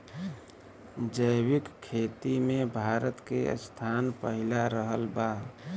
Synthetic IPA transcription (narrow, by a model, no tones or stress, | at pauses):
d͡ʒəjwɪkkʰːet̪imẽbʱaɾət̪kḛə̰st̪ʰanpəɦilaɾəɦəlba